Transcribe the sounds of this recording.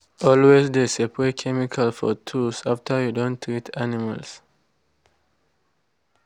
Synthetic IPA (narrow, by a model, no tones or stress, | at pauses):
ɔlwesd̪esepɹekʰɛmikʰalfɔ̰tʰusaftʰə˞judõnt̪ʰɹitʰanima̰ls